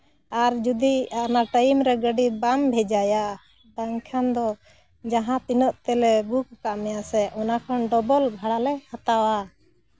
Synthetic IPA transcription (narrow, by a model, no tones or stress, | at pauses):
aɾd͡ʒud̪ianaʈəimɾɛɡəɖibambʱɛd͡ʒaja | d̪aŋkʰand̪ɔ | d͡ʒaɦãt̪inɔʔt̪ɛlɛbukkaʔmɛjasɛʔɔnakʰanɖɔbɔlbʱaɽalɛhat̪awa